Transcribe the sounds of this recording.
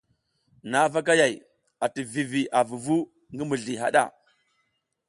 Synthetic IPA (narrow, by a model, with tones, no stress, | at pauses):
na˦va˦k̬a˦ja˨j | a˨ti˨vi˨vi˨ʔa˨vu˨vu˦ | ŋɡi˦mu˨ɮi˨ɦa̰˨ɗa̰˦˨